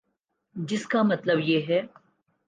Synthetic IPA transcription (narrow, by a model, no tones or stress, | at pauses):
d͡ʒɪskamɐt̪ləbjeːɦɛː